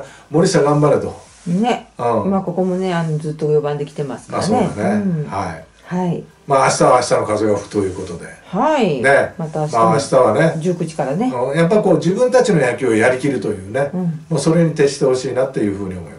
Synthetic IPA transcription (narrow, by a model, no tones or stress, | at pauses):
mo̞ɾʲisaɡãmbaɾet̪o | neɯ̃ːimako̞ko̞mo̞ne̞anod͡zɨːt̪ːojobãnd̪e̞kʲi̥t̪e̞masɨ̥kaasseːaneha̰ḭ | hai | maːɕi̥t̪aβaːɕi̥t̪ano̞kazo̞ɡaɸɯ̥t̪o̞jɯ̟ːko̞t̪o̞d̪e̞̰haine̞mat̪amaːɕi̥t̪aβ̞ane̞d͡ʑɨːkɯ̟t͡ɕi̥kaɾaneɯ̃jap̬ːaɾʲiko̞ːd͡ʑɨbɯ̟̃nt̪at͡ɕino̞jakʲio̞jaɾʲikʲiɾɯ̟t̪o̞jɯ̟ːnẽ̞moːso̞ɾe̞ɲ̟it̪e̞ɕi̥t̪e̞ho̞ɕiːnat̪ːe̞jɯ̟ːɸɯ̟ːɲ̟io̞mo̞̰ḭma